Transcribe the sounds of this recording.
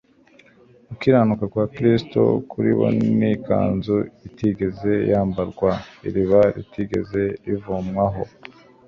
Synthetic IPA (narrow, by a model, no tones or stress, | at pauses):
ukiɾaːnukakwaːkɾisto̰kʰuɾḭβo̰nnika̰ːnzuitiɡe̞ze̞jaːmbaɾɡwaḭɾiβaɾḭtiɡe̞̰ze̞ivomŋaɦo̞